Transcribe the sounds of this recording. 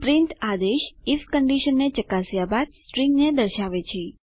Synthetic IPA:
pɾint̪ad̪eʃifkəɳɖiʃənːet͡ʃəkasjabad̪̚sʈɾiŋɡned̪əɾʃaʋet͡ʃʰe

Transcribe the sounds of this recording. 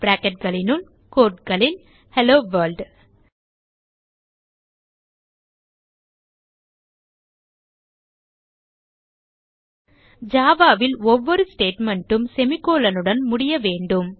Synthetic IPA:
bɾaːkɐʈ̚ɡɐɭɪnɯɭ | koːʈɡɐɭɪn | hɛloːʋɐɾlɖ | d͡ʒaːʋaːʋɪlɔʋːɔɾɯsʈeːʈmɐɳʈɯmsɛmɪkːoːlɐnɯɽɐnmʊɽɪjɐʋeːɳɖɯm

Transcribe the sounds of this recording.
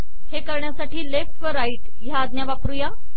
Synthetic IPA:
hekəɾɳjasaʈiːlefʈʋəɾaiʈ | jaːd̪njaʋapɾuja

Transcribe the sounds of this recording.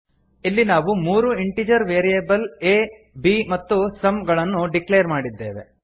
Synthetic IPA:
ilːinaːʋumuːɾuiɳʈid͡ʒɐɾʋeːɾijebɐleː | biːmɐt̪ːusɐmɡɐɭɐnːuɖikleːɾmaːɽid̪ːe̞ːʋe̞̰

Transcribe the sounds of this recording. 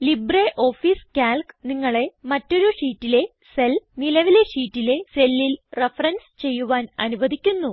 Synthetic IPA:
libreʔo̞ːfiːskaːlkniŋːɐɭe̞mɐtːo̞ɾuʂiːtːile̞ | se̞lnilɐʋile̞ʂiːtːile̞se̞lːilrefɐrɐnst͡ɕe̞jːuʋaːnɐ̰nuʋɐd̪ʱikʲːunːu

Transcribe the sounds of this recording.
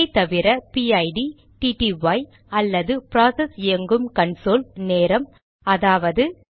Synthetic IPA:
ɪt̪ɐʋɪɾɐpiɐɪɖi | ʈiːʈiʋɐɪ | ɐlːɐðɯpɾaːsɐsɪjɐŋɡɯmkɐɳsoːlneːɾɐm | ɐðaːʋɐðɯ

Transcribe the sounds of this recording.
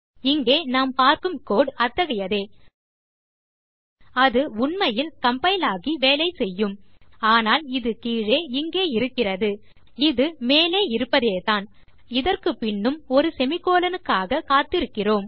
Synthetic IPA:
ɪŋɡeːnaːmpaːɾkɯmkoːɽɐt̪ːɐɣɐjɐðeː | ɐðɯʊɳmɐjɪlkɐmpɐɪlaːɣiʋeːlɐɪsɛjːɯmaːnaːlɪðɯkiːɻeːɪŋɡeːɪɾɯkːɪrɐðɯ | ɪðɯmeːleːɪɾɯpːɐðeːt̪aːn | ɪðɐrkɯpːɪɳːɯmɔɾɯsɛmɪkːoːlɐnɯkːaːɣɐkaːt̪ːɪɾɯkːɪroːm

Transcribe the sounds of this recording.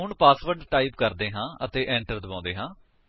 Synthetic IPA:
ʊɳpaːsʋəɾɖʈaːipkəɾd̪eːɦãːət̪eːʔɛ̃ːɳʈəɾd̪əbãːnd̪eːɦãː

